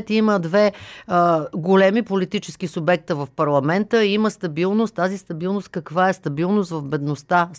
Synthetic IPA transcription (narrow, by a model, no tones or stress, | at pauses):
t̪iməd̪vɛ | ɡolɛmipolit̪it͡ʃɛsk̟isʊbɛk̚t̪əvɐfpɐɾlˠɐmɛnt̪əiməst̪ɐbilˠnʊst̪ːazist̪ɐbilˠnost̪̚kɐkvaɛst̪ɐbilˠnʊst̪vɐvbɛd̪nost̪a